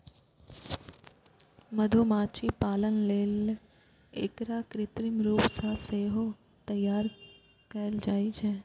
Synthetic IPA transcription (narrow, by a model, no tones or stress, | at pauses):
məd̪ʱomat͡ʃipalənlel | ḛkɾakɾɪt̪ɾimɾupsaseɦo | t̪əjːaɾ | kəeld͡ʒait͡ʃʰe